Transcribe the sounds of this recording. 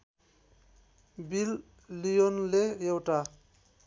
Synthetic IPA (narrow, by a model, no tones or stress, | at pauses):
bilː | ijonlejewʈa